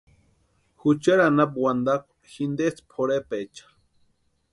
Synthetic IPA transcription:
xut͡ʃaɾanap̚wand̪akʷ | xind̪et͡spʰoɽepet͡ʃḁ

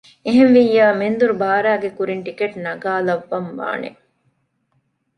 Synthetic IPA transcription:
eɦenʋijːaːmend̪uɾubaːɾæːɡekuɾiɳʈikeʈnɐɡaːlɐʋːɐmʋa̰ːnḛ

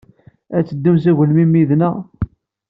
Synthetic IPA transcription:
æt͡sːəd̪ːums̬æʝəlmimiðnæ

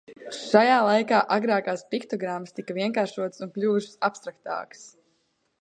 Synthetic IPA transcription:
ʃajaːlˠajkaːʔaɡɾaːkaːspikt̪ɔɡɾamːst̪ikɐviɛŋkaːɾʃuɔt̪sunplʲuːuʃsapst̪ɾak̚t̪a̰ːks

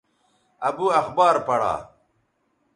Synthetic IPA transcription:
ɐbuɐxbaːɾpɐɽa̰ː

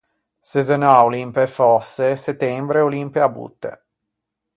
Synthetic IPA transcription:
sezenaulimpefɔsːeset̪ːɛmbɾeolimpjabṵt̪ːḛ

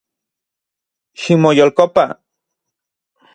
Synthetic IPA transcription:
ʃimojolkopa

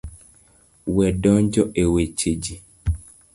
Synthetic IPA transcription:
wɛdɔɲd͡ʒɔʔewet͡ʃed͡ʒi

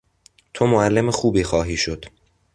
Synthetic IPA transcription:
t̪ʰomoælːemexuːbiːxɒːɦiːʃo̞d̪̥

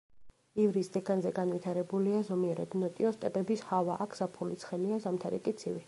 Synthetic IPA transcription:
ivɾisd̪ɛɡanzɛɡanvit̪ʰaɾɛbuliazɔmiɛɾa̰d̪nɔt̪ʼiɔst̪ʼɛpʼɛbishavaʔakʰz̥apʰulit̪sʰχɛliazamt̪ʰaɾḭkʼit̪sʰivi

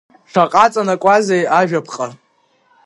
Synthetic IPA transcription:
ʂʰaqʼat͡sʼanakʷʼazejaʒᶣapʰqʼa

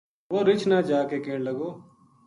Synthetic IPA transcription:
ʋoːɾɪt͡ʃʰnaːd͡ʒaːkekeːɽ̃ləɡoː

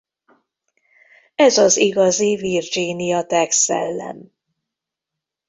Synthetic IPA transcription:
ɛzɒziɡɒzivird͡ʒinijɒt̪ɛksɛ̰lːɛ̰m

